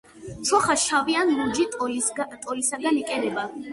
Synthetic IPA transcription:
t̪sʰɔχaʃavianɾud͡ʒi | t̪ʼɔlisaɡanikʼɛɾɛba

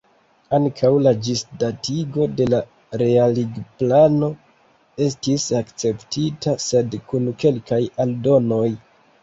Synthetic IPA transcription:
aŋkʰawlad͡ʒisdatiɡo̞de̞la | ɾe̞aliɡplano̞ | e̞stisakt͡se̞ptitase̞dkunke̞lkajaldo̞no̞j

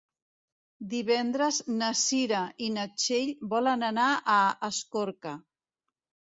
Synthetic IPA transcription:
d̪iβɛnd̪ɾəznəsiɾainət͡ʃeʎbɔlənənaʔəəskoɾkə

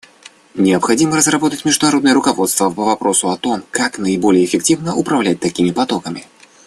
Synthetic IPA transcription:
nʲɪəpxɐdʲiməɾəzrɐbot̪ətʲmʲɪʐd̪ʊnɐɾo̞d̪nɨjəɾʊkɐvo̞t̪st̪vəpəvɐpɾʔo̞sʊɐt̪o̞mkaknəɪbo̞lʲɪjəːfʲɪktʲivnəʔʊpɾɐvlʲæt̚ʲt̪ɐkʲimʲɪpɐt̪okəmʲɪ̰

